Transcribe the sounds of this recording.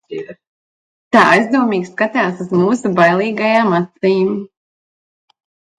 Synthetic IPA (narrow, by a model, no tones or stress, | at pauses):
t̪aːajzd̪uɔmiːkskat̪ʲaːsuzmuːsubajlˠiːɡajaːmat̪siːm